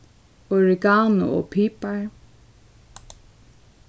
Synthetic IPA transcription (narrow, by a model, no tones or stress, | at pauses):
ɔɹɪɡaːnʊ̰ɔ̰pʰiːpaɹ